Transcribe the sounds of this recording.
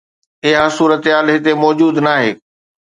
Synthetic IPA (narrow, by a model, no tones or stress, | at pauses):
ɪɦasuːɾət̪ɦaːlɦɪt̪emɔːd͡ʑuːd̪naːɦeː